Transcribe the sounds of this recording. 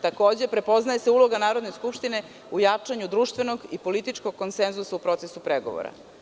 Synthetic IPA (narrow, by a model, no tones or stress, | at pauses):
t̪ako̞ːd͡ʑe̞pɾe̞po̞znajeseulˠo̞ɡanaːɾo̞d̪ne̞skupʃt̪ine̞ | ujat͡ʂaɲud̪ɾuːʃt̪ʋe̞noɡipo̞lit̪it͡ʂko̞ɡ̚kːo̞nsenzusaupɾo̞t̪sesupɾeɡo̞̰ʋo̰ɾa̰